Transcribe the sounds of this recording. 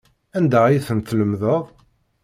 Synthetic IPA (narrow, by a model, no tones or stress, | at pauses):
ænd̪æjθənθləmðəʁ